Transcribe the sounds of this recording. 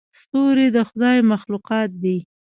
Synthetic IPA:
st̪oɾid̪əxʊd̪ɑjmaxluqɑt̪̚d̪i

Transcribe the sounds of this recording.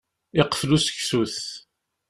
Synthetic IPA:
ɪqflusə̥çsuθ

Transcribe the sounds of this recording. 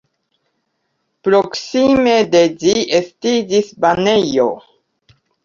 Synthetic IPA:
pɾo̞ksime̞de̞d͡ʒiestid͡ʒisbanejo̰

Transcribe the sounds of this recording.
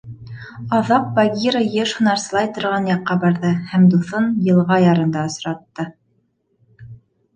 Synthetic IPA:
ɑðɑq̚baɡʲiɾəjeʃhŏnɑɾsɤ̆lˠɑjt̪ŏɾʁɑnjɑqːɑbɑɾðɤhæmd̪uθɤnjɤ̆lˠʁɑjɑɾɤ̆nd̪ɑɤ̆sɾɑt̪ːɤ

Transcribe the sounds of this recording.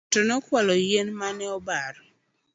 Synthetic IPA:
tɔnɔkwalɔjenmanɛɔbaɾɔ

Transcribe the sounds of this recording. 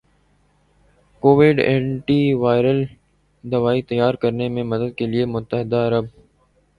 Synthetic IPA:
koːʋɪɖɛ̃ːɳʈiʋaːɪɾəl | d̪ɐʋaːit̪ɐjːaːɾkəɾnemẽmɐd̪əd̪̚keliemʊt̪ːəɦɪd̪aɐɾəb̚

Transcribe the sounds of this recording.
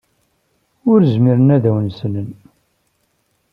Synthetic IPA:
ʊɾzmiɾənæðæwənsənən

